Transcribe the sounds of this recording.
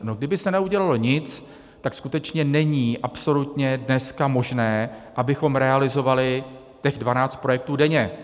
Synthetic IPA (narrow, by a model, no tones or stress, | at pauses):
no̞ɡ̚dɪbɪsɛnɛuɟɛlalo̞ɲɪt͡s | t̪akskut̪ɛt͡ʃɲɛnɛɲiːʔapso̞lut̪ɲɛdnɛskamo̞ʒnɛːʔabɪxo̞mɾɛalɪzo̞valɪ | c̪ɛxdvanaːt͡st̪̚pɾo̞jɛk̚t̪uːdɛɲɛ